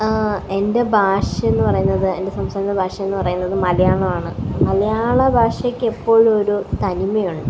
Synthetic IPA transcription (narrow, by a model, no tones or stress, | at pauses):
e̞nde̞bʱaːʂɐenːɨpɐrɐjunːɐðɨe̞nde̞sɐmst̪aːɾɐnːɐbʱaːʂɐmenːɨpɐrɐjunːɐðɨmɐlɐjaːɭɐmaːɳɨmɐlɐjaːɭɐbʱaːʂɐkʲːepːo̞ːɭo̞ɾut̪ɐnimɐjuɳɖɨ